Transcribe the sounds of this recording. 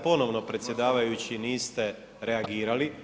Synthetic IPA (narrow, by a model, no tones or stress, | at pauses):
po̞no̞ʋno̞pɾet̪sʲje̞d̪aːʋajut͡ɕiniːst̪e̞ | ɾeaɡiːɾali